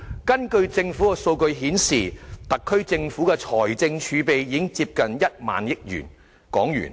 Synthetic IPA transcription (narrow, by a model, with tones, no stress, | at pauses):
kɐ˥nkɵ˧ɥt͡sɪ˧ŋfu˨˥kɛ˧so˧wkɵ˧ɥɦiː˨˥nsiː˨˩t̪ɐ˨kʰːɵ˥ɥt͡sɪ˧ŋfuː˨˥kɛ˧t͡sʰɔː˨˩jt͡sɪ˧ŋt͡ʃʰyː˨˧pe˨jjiː˨˥ŋt͡siː˧p̚kɐ˨njɐ˥t̚ma̰ː˨njɪ˥k̚jy̰ː˨˩n | kɔː˨˥ŋjy̰ː˨˩n